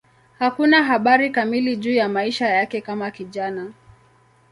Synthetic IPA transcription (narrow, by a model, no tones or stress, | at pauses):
hakunaɦaɓaɾikamiliʄuːjamaiʃajakɛkamakiʄana